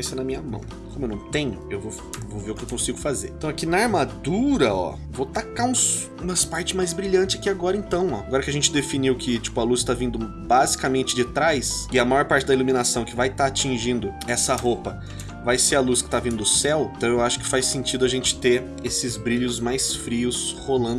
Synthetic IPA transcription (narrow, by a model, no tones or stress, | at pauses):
esẽnɐmĩɲɐmɐ̰̃w̃ | kõmʊewnɐ̃w̃t̪ẽɲʊewvow | voveɾʊkɪewkõsiɡʊfazeɾ̃t̪ɐ̃w̃akinɐaɾmad̪uɾɐɔ̰ | vot̪akaũs | ũmɐspaɾt͡ʃɪzmajzbɾiʎɐ̃nt͡ʃɪakiaɡɔɾɐẽnt̪ɐ̃w̃ɔ̰ɡɔɾɐkɪɐʒẽnt͡ʃɪd̪efiniwkɪt͡ʃi̥pʊɐlust̪avĩnd̪ʊ | bazikɐmẽnt͡ʃɪd͡ʒɪt̪ɾajsɪɐmajɔɾpaɾt͡ʃɪd̪ɐilumĩnasɐ̃w̃kɪvajt̪aat͡ʃĩʒĩnd̪ʊɛsɐɦopɐ | vajseɾɐluskɪ̥t̪avĩnd̪ʊd̪ʊsɛwẽt̪ɐ̃w̃ewaʃʊ̥kɪ̥fajsẽnt͡ʃid̪ʊɐʒẽnt͡ʃɪ̥t̪eɾ | esɪzbɾiʎʊzmajsfɾiʊsholɐ̃nd̪ʊ